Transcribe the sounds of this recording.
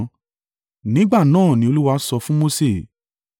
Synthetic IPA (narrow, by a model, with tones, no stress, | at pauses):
nĩ˨˦ɡ͡ba˦˨nãː˦˨nĩ˧o˧lu˦wa˧˦sɔ˧fũ˦mo˦se˦˨